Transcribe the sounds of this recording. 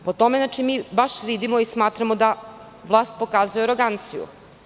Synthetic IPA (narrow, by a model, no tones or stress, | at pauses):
pot̪omenaːt͡ʃimiːbaʃʋid̪imoismaːt̪ɾamod̪a | ʋlˠaːst̪̚po̞kaːzujeaɾoɡant̪sijṵ